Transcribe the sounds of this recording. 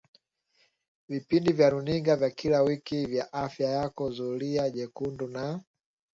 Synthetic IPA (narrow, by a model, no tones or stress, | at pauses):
vipindivjaɾuniŋɡavjakilawikivjaʔafjajakɔzuliaʄɛkunduna